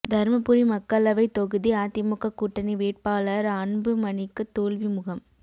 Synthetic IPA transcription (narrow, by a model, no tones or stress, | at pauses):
d̪ʱɐɾmɐpːʊɾimɐkːɐlɐʋɐɪt̪ɔɣɯðiaːt̪ɪmʊkːɐkːuːʈːɐniʋeːʈ̚paːlɐɾɐnbɯmɐnɪkːɯt̪ːoːlʋimʊɣɐm